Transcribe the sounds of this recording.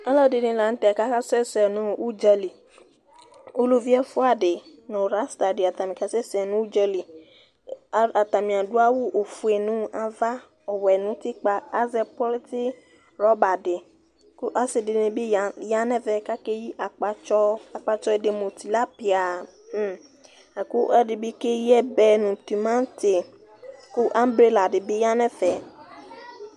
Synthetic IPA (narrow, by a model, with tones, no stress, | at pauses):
ɔ˦lɔ˦˨de˨nĩ˧la˨n̩˦tɛ˦˨ka˦ka˦sɛ˦˨sɛ˨nũ˦u˦d͡ʒɛ˧li˨ | o˦lu˦vi˦ɛ˦fu˦a˦˨de˨nõ˨ɾa˨˦sta˨de˨a˨ta˨mĩ˨ka˨sɛ˦˨sɛ˨nũ˦u˦d͡ʒɛ˧li˨ | a˨ta˨mĩ˨a˨du˦a˦wu˦ʔo˨fu˨e˨nũ˦a˧va˦ | ɔ˨wɛ˨nũ˨˦ti˦k͡pa˧a˦zɛ˧pɔ˦lti˦ | ɾɔ˨˦ba˨de˨ | ku˦ʔa˦se˨de˨nĩ˨bi˦˨ja˦nɛ˦vɛ˨ka˦ke˦ji˦ʔa˨k͡pa˧t͡ʃɔ˦a˨k͡pa˧t͡ʃɔ˦e˨de˨mo˨t̪i˨la˦pi˨a˨ | a˨ku˦ɛ˦di˨bi˦ke˦jɛ˦bɛ˨nũ˨t̪i˨mã˦t̪e˨ | ku˦ʔa˦m˦bɾe˦la˨ɖe˨bi˦ja˦nɛ˦fɛ˨